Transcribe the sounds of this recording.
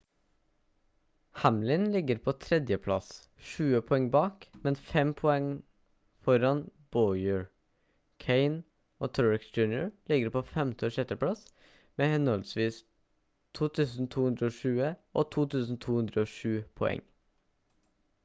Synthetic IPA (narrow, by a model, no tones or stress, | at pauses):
hæmlɪnlɪɡəɾpʰoːt̪ʰɾɛd̪jəpʰlɑ̰s | ʃʉːəpʰɔɛŋbɑːkmɛnfɛmpʰɔɛŋ | fɔɾɑnb̥ɔʏəɹ | kʰeɪn | oːt̪ʰɔɹɪksd͡ʒʉnjə̰ɹlɪɡəɾpʰoːfɛmt̪ʰɔːʃɛt̪əpʰɽɑs | meːhɛnɔlsʋiːs | t̪ʰuːt̪ʰʉːsn̩t̪ʰuːhʉnd̪ɾəoːʃʉːəʔoːt̪ʰuːt̪ʰʉːsn̩t̪ʰuːhʉnd̪ɾəoːʃʉːpʰɔɛ̰ŋ